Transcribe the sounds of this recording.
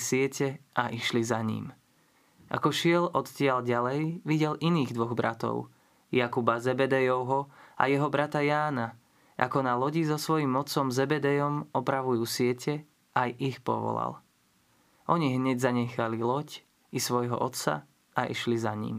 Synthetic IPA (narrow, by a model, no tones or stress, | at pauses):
sɪɛcɛʔaʔiʃlizaɲḭm | ʔa̰kɔʃɪɛlʔɔt̪cɪalɟalɛjʋiɟɛlʔiniːɣd̪ʋɔɣbɾat̪ɔ̰ʊ | jakubazɛbɛd̪ɛjɔʊɦɔa̰jɛɦɔbɾat̪ajaːna | ʔa̰kɔnalɔɟizɔsʋɔjiːmɔt͡sɔmzɛbɛd̪ɛjɔmɔpɾaʋujuːsɪɛcʰɛ | ʔajixpɔ̰ʋɔ̰la̰l | ʔɔɲiɦɲɛɟzaɲɛxalilɔc | isʋɔjɦɔ̰ʔɔt̪st͡sa̰ | ʔaʔḭʃlizaɲḭm